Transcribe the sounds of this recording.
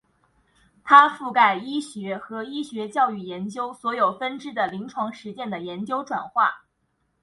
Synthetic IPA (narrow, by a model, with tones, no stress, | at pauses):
t̪ʰa˥fu˥˩ka˥˩ɪi˥ɕɥɛ˧˥xɤ˧˥i˥ɕɥɛ˧˥t͡ɕjɑ˥˧ʊy˥˩jɛ˧˥nt͡ɕjo˥ʊswɔ˧˥jo˨˩ʊfə˥nʈ͡ʂɻ̩˥d̪ə˨li˧˥ŋʈ͡ʂʰwɑ˧˥ŋʂɻ̩˧˥t͡ɕjɛ˥˩nd̪ə˩jɛ˧˥nt͡ɕjo˥ʊʈ͡ʂwa̰˨˩nxwa̰˥˩